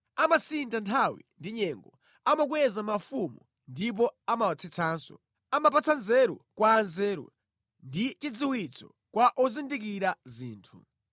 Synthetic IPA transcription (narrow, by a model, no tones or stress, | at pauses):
amasintantʰawḭndiɲɛŋɡɔ | amak̬uwɛzamafumu | ndip̬ɔamat͡sʰit͡sʰaːnsɔ̰ | amap̬at͡sʰanzɛɾṵkwaːnzɛːɾṵ | ndit͡ʃid͡ziwit͡sʰɔ̰ | kwaʔɔzindik̬iɾaziːntʰu